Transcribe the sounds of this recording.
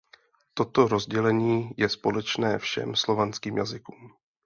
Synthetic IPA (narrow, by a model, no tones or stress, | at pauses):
t̪o̞t̪o̞ɾo̞zɟɛlɛɲiːjɛspo̞lɛt͡ʃnɛːfʃɛ̰mslo̞vanskiːmjazɪkuːm